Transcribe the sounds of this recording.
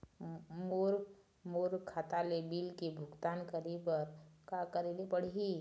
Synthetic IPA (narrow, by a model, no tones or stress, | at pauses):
moɾ | moɾkʰːat̪alebilkebʱʊɡt̪aːnkəɾibəɾkakəɾelepəɽ̤ii